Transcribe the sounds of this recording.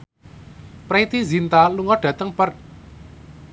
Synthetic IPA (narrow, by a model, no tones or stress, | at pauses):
pɾet̪izint̪aluŋɔɖ̥ä̤t̪əŋpər̚